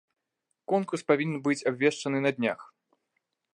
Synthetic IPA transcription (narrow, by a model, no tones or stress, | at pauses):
kɔnkurspavʲinʲɛnbɨt͡sʲabvʲɛʂt͡ʂɐnɨnɐd̪ʲnʲa̰x